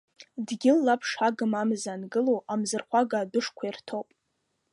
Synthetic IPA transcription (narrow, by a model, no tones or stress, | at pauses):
dɡʲɪlːapʰʂaɡɨmamzaːnɡɨlowʔamzɨrχʷaɡaːdʊʂkʷʰairtʰowpʼ